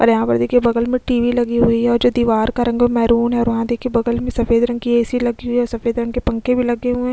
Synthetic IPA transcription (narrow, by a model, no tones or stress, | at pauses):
ɔ̰ːɾjɐɦãpɐɾd̪eːkʰiebɐɡəlmẽʈiːʋilɐɡiɦʊiɦɛɔːɾd͡ʒoːd̪iːʋaːɾkaɾɐ̃ŋɡemɛːɾuːnɦɛɔːɾʋɐɦãd̪eːkʰiebɐɡəlmẽsɐfeːd̪ɾɐ̃ŋɡkieːsilɐɡiɦuʊiɔːɾsɐfeːd̪ɾɐ̃ŋɡkepɐ̃ŋkebʱilɐɡeɦuẽː